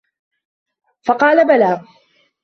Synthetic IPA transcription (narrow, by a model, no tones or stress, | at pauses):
fɑqɑːlabalaː